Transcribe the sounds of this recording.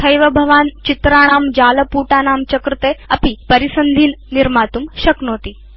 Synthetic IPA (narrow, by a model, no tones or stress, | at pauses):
ɐjʋɐbʱɐʋaːnt͡ʃit̪ɾaːɽ̃aːmd͡ʒaːlɐpuːʈaːnaːmt͡ʃɐkɾɪt̪eːɐpipɐɾisɐnd̪ʱiːnːiɾmaːt̪umʃɐknoːt̪iː